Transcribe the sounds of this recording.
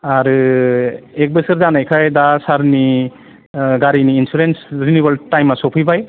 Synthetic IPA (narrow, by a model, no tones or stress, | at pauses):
aɾɯ | ek̚bɯsɯɾzanajkʰajdasaɾni | ɡaɾiniːnsuɾensɾiniβɐltajmasɔpʰɯbaj